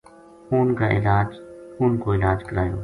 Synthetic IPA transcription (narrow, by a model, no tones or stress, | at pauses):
uːnkaːʔɪ̰laːd͡ʒuːnkoːɪlaːd͡ʒkəɾaːjo̰ː